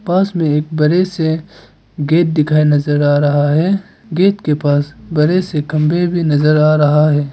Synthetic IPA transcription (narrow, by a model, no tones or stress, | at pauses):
paːsmẽeːk̚bɐɾese | ɡeːt̪̚d̪ɪkʰaːinɐzəɾaːɾɐɦaɦɛː | ɡeːt̪kepaːsbɐɾesekɐ̃mbʱebʱinɐzəɾaːɾɐɦaɦɛː